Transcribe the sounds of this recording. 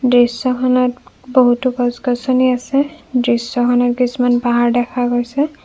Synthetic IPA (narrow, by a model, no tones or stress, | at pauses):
dɹisːɔkʰɔnɔtboɦutukɔsɡɔsɔniasɛdɹisːɔkʰɔnɔt̚ɡisumanpaɦaɹdɛkʰaɡojsɛ